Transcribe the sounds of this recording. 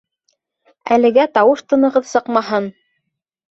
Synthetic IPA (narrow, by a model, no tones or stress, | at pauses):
æ̰lɘ̆ɡæt̪ɑwɤʃt̪ɤ̆nɤ̆ʁɤðsɤqmɑɦɤn